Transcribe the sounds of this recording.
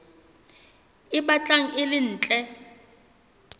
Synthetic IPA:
ɪɓat͡ɬʼaŋ̩ʔɪlɪn̩ːt͡ɬʼɛ

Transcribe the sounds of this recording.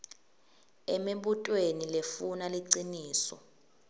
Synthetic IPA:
ɛmiɓutʼwenilefunaliǀiniːsɔ̰

